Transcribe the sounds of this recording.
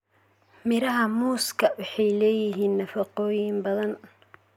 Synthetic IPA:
mɪɾɐɦɐmuːskʰɐwɑħɑjlɛːjɪɦiːnːɐfɐqɔːjɪmbɐðɐn

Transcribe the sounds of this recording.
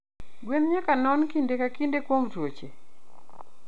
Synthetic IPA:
ɡwenɲakanɔnkindekakindekwomtwot͡ʃe

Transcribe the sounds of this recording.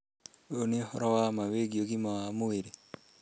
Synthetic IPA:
onehɔɾɔwamaweɡioɡimawamoeɾe

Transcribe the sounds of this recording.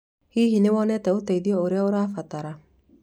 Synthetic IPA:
hiɦinewɔnɛtɛot̪ɛiðiɔoɾeaoɾafat̪aɾa

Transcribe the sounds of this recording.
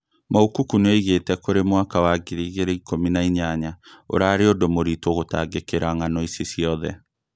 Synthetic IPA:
mookukunaiɣetɛkoɾemwakawaɡiɾiːɣeɾeikʰominaiɲaɲao̰ɾaːɾeodomoɾitoɣota̰ːɡekeɾaŋanɔisesjɔðɛ

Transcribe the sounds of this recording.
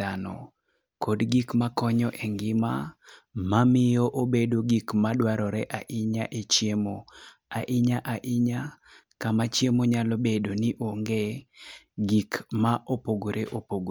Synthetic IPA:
anɔ̰ | kʰodɡikmakɔɲɔʔeŋɡɪma | mamɪjɔʔobedoɡikmadwaɾɔɾɛʔaʔɪɲaʔet͡ʃjemo | aʔɪɲaʔaʔɪɲa | kamat͡ʃjemoɲalɔbedoniʔoŋɡe | ɡikmaʔopoɡoɾeʔopoɡo

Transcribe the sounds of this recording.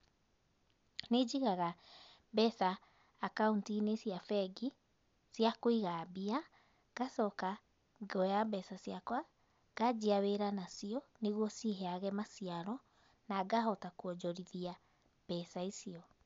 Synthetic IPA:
ned͡ʒiɣaɣa | bɛsaː | kauntinesiafɛɡi | siakoiɣabia | ɡ̥asɔka | ɡɔjabɛsasiakwa | ɡ̥ad͡ʒiaweɾanasiɔneɣwɔsiɦɛaɣɛmasiaɾɔ | naɡaɦɔtakuɔd͡ʒɔɾiðia | b̥ɛsaisiɔ

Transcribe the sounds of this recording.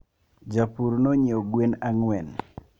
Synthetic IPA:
d͡ʒapuɾnoɲioɡwenaŋwɛn

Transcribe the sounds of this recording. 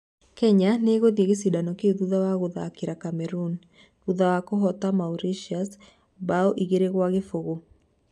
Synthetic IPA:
kɛɲaneɣoðjeɣesidanɔkeðuðawaɣʊðakiɾakamɛɾun | ðuðawakoɦɔt̪amauɾiʃias | baɔʔiɣeɾeɣwaɣefoɣo

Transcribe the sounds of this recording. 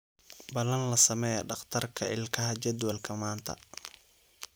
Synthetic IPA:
bɐlɐnlɐsɐmɛːjɐɖɑχt̪ʰɐrkʰɐɪlkʰɐɦɐt͡ʃɐd̪wɐlkʰɐmaːnt̪ʰɐ̰

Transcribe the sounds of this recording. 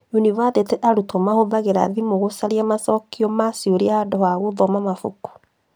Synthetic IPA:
uniβaðetɛʔaɾutomahoðaɣeɾa̰ðimoɣosaɾiamasɔkiɔmasioɾeahadɔhaɣoðɔmamafo̰ku̥

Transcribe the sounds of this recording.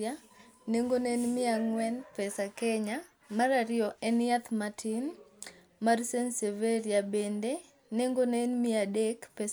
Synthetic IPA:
a | neŋɡonenmɪaŋwɛnpɛsakɛɲa | maɾaɾɪɔʔɛnat̪matʰin | marsenseveɾiabende | neŋɡonɛnmɪadekpɛs

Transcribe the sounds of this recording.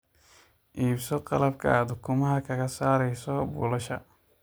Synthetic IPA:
ʔiːbsɔqɑlɐbkʰɐ̰ad̪ʊkʰʊmɐɦɐkʰɐɣɐsaːɾɛjsɔbʊ̰lɐʃɐ̰

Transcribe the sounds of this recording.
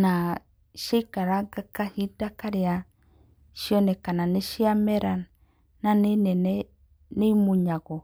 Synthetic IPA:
na | ʃekaɾaɡakahidakaɾea | ʃiɔnɛkananeʃiamɛɾan | nanenɛnɛ | nemuɲaɣɔ

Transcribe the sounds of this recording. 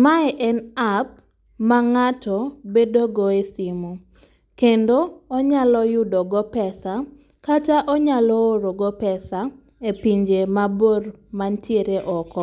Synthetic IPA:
maɛʔɛnap̚ | maŋatɔbedoɡɔesimo | kendoɔɲalɔjʊdɔɡɔpɛsa | kataʔɔɲalɔoɾoɡɔpɛsa | epiɲd͡ʒemabormantjeɾeʔɔkɔ

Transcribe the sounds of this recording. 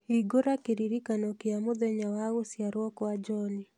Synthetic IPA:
hiɡoɾakiɾiɾikanɔkiamoðɛɲawaɣosjaɾwɔkwad͡ʒɔni

